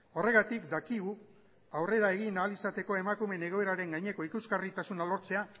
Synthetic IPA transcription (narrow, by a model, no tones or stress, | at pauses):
o̞re̞ɣat̪ikd̪akiɣ̞u | awre̞ɾae̞ɣ̞inaːlisat̪e̞ko̞e̞makume̞ne̞ɣ̞o̞e̞ɾaɾe̞ŋɡaɲe̞ko̞ikuzɣarit̪asunalo̞ɾt͡se̞a